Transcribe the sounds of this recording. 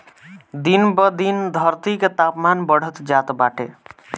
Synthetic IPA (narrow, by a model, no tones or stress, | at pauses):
d̪inbəd̪ind̪ʱəɾt̪iket̪apmanbəɽ̤ət̪d͡ʒat̪baʈḛ